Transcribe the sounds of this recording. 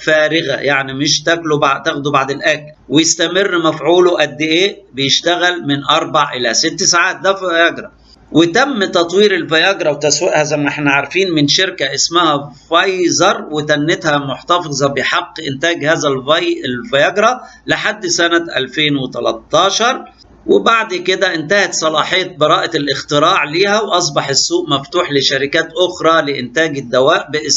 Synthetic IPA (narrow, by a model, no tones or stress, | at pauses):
fæːɾɪɣæ̰jaʕnimɪʃt̪æklobaʕt̪æxd̪ubaʕd̪elʔæklwejest̪æmɪrːmæfʕuːloʔæd̪ːeʔeːʔbejeʃt̪æɣælmɪnʔɑɾˤbaʕʔelæsɪt̪ːsaʕaːt̪̚d̪æfɑjɑɡɾˤɑ | wɪt̪æmːt̪ɑt̪ˤwiːɾɪlfɑjɑɡɾˤɑwt̪æsweʔhæzæjmːæʔeħnæʕaɾˤfiːnmɪnʃɪɾkæʔɪsmæhæfɑjzɑɾˤwɪt̪ænːɪt̪hæmʊħt̪ɑfɨzˤɑbɪħɑqːʔɪnt̪æːɡhæːzælvɑjʔlfɑjæɡɾˤɑlɪħad̪ːsænæʔæ̰lfeːnwɪt̪æ̰lɑ̰t̪ˤːɑːʃɑɾˤ | wɪbaʕd̪kɪd̪æʔɪnt̪æhæt̪sˤɑlɑːħejːæt̪̚bɑɾˤɑːʔlʔɪxt̪ɪɾɑːʕliːhæwʔɑs̬ˤbɑħɪsːuːʔmæft̪uːħlɪʃæɾɪkæːt̪ʔʊxɾˤɑlɪʔɪnt̪æːɡɪd̪ːæwæːʔbɪʔɪs